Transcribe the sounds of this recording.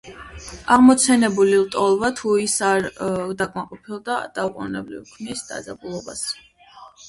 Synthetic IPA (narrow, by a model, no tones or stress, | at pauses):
aʁmɔt̪sʰɛnɛbulilˠt̪ʼɔlˠvat̪ʰuisaɾd̪akʼmaqʼɔpʰilˠd̪ad̪̥auqʼṵnɛblḭvkʰnisd̪a̰zabulˠɔbas